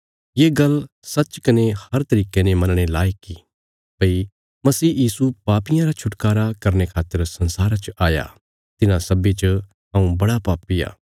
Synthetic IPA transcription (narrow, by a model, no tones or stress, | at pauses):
jeːɡɐl | sɐtːt͡ʃkɐnehɐɾt̪ɐɾiːkenẽmɐnɽ̃elaːiki | pɐi | mɐsiːjiːsupaːpɪjãɾat͡ʃʰʊʈkaːɾakɐɾñekʰaːt̪ːəɾsɐ̃nsaːɾat͡ʃʔaːja̰ | t̪ɪnãsɐbit͡ʃ | ɦɐ̃ũbɐɽapaːpija̰ː